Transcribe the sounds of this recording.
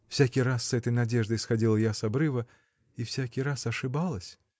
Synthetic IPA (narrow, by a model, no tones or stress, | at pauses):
fsʲakʲiɾasːɛt̪əjnadʲɛʐd̪əjsxadʲilˠəjasabɾɨvə | ifsʲakʲiɾasɐʂɨbalˠəsʲ